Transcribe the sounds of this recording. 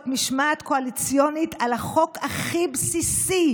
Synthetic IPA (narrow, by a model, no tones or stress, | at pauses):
tmiʃmaːt̪koalit͡sjonit̪alaχo̞kaχibsisi